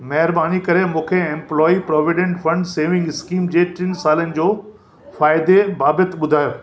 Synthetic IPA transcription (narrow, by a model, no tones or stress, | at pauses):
mɐɦɪɾɓaːnikɐɾemũːkʰeẽːmplɔːipɾɔːʋɪɖẽɳʈfɐ̃ɳɖseːʋɪ̃ŋɡɪskiːmd͡ʑeːt͡ɕɪnsaːlənɪ̆d͡ʑoː | faːɪd̪ebaːbət̪ɓʊd̪ʱaːjoː